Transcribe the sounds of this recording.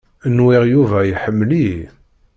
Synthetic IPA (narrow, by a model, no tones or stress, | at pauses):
nwiʁjuvæjħəmːli